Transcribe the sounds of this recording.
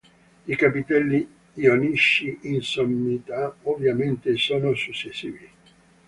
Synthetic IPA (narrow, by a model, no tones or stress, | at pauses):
ikapit̪ɛlːi | ioniʃːiʔinsomːit̪aovjament̪esoːnosut͡ʃːesːḭːvi